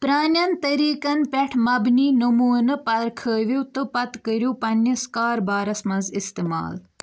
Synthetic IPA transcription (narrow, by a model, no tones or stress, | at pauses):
pɾaːnɐnt̪ɐɾiːkɐnpʲɛʈʰmɐbniːnɐmuːnɐpɐɾkʰəːʋot̪ɨpɐt̪kəɾjoːpɐnɐskaːɾbaːɾɐsmɐ̃nzist̪ema̰ːl